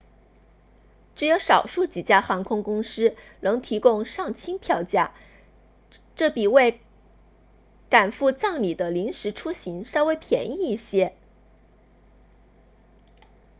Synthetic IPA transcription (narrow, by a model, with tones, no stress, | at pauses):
ʈ͡ʂɻ̩˧˥jo˧˥ʊʂɑ˨˩ʊʂu˥˩t͡ɕi˨˩t͡ɕja˥xɑ˧˥ŋkʰʊ˥ŋkʊ˥ŋʂɻ̩˥nɤ˧˥ŋt̪ʰi˧˥kʊ˥˧ŋʂɑ˥˩ŋt͡ɕʰi˥ŋpʰjɑ˥˧ʊt͡ɕja̰˥˩ | ʈ͡ʂɤ˥˩pi˨˩we˥˩ɪ | ka˨˩nfu˥˧t͡sɑ˥˩ŋli˨˩d̪ə˦li˧˥ŋʂɻ̩˧˥ʈ͡ʂʰu˥ɕi˧˥ŋʂɑ˥ʊwe˧˥ɪpʰjɛ˧˥ni˥˩i˥˩ɕjɛ˥